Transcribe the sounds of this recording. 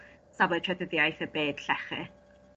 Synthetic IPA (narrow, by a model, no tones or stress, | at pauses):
sabɛtʰɛdəðjajθəbeːd̥ɬɛχɪ̰